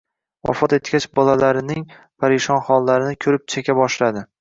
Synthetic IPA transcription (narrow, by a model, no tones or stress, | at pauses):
vɒ̰fɒt̪et̪kʲat͡ʃbɒlalaɾɪnɪŋ | pʰaɾɪʃɒnχɒlˠːaɾɪnɪkʲʰɵɾɪp̚t͡ʃʰakʲʰabɒʃlad̪ɪ